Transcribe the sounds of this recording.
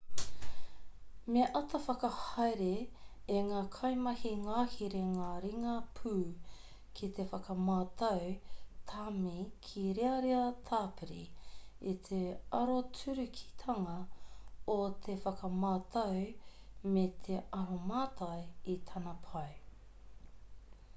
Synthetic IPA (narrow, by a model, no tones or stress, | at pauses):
meʔɐt̪ʰɐfɐkɐhɐjɾeːŋaːkʰɐjmɐhiŋaːhiɾeŋaːɾiŋɐpʰʉː | kʰit̪e̞fɐkɐmaːt̪ʰɐwt̪ʰaːmikʰiɾeɐɾeɐt̪ʰaːpiɾiit̪ʰeɐɾot͡sʉɾʉkʰi̥t̪ʰɐŋɐ | ot̪ʰefɐkɐmaːt̪ʰɐwmet̪ʰe̞ʔɐɾomaːt̪ʰɐjit̪ʰɐnɐpʰɐw